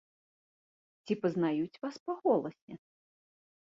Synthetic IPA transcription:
t͡sʲipɐznajut͡sʲvaspɐɣɔlˠɐsʲɛ

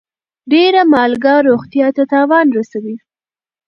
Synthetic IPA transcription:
ɖeɾamɑlɡɑɾoɣt̪jɑt̪at̪ɑwɑnɾasawi

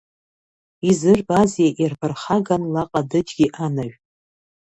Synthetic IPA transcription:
izɨrbazjaʔirbʰarχaɡanlaqʼadɨd͡ʒɡʲiʔanaɥ

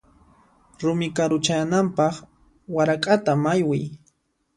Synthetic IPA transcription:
ɾʊmɪkaɾʊt͡ʃaanampɑχ | waɾakʼat̪amajwɪj

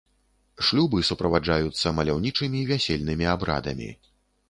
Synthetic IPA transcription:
ʂlʲubɨsupɾɐvad͡ʐajut̪sːɐmɐlʲawnʲit͡ʂɨmʲivʲasʲelʲnɨmʲiabɾa̰d̪ɐmʲḭ

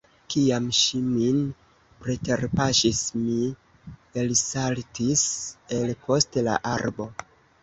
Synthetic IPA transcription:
kiamʃimin | pɾete̞ɾpaʃismi | elsaltise̞lpo̞stela̰ʔaɾbo̞

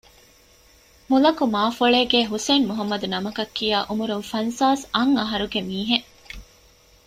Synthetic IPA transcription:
mulɐkumaːfuɭeːɡeːɦuseːnmuɦɐmːɐd̪unɐmɐkɐkːijaːʔumuɾunfɐnsaːsɐŋɐɦɐɾuɡemiːɦe

